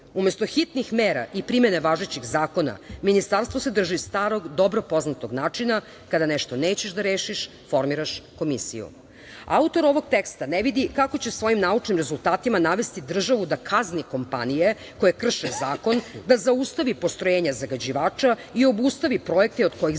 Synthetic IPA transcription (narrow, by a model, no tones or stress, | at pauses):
umest̪o̞xit̪nixmeːɾa̰ʔipɾimeneʋaʒet͡ɕiɣzaːko̞na̰minist̪aɾst̪ʋo̞sed̪r̩ʒist̪aːɾo̞ɡd̪o̞bɾo̞po̞znat̪oɡnaːt͡ʂina | kad̪aneʃt̪o̞neːt͡ɕeʃd̪aɾeːʃiʃ | fo̞ɾmiɾaʃko̞mḭsḭjṵ | a̰ut̪o̞ɾo̞ʋo̞ɡ̚t̪ekst̪aneʋid̪ikako̞t͡ɕe̞sʋo̞jimnaut͡ʃnimɾezulˠt̪aːt̪imanaʋe̞st̪id̪r̩ʒaʋud̪akʰazniko̞mpa̰nije̞ | ko̞jekr̩ʃezaːko̞nd̪azaust̪aʋipo̞st̪ɾojeːɲazaɡad͡ʑiʋaːt͡ʃaio̞bust̪aʋipɾo̞e̞k̚t̪eo̞d̪ko̞ji